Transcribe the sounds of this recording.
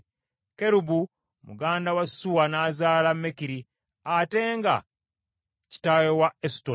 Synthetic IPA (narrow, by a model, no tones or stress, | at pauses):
ke̞ɾubu | mṵɡaːndawasːuwanaːzaːlamːekiɾi | ate̞ːŋɡa̰ | ci̥tajowaesto